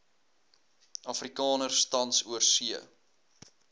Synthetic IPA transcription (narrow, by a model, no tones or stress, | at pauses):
ɐfrikɑːnərstɐntsuərsiə̰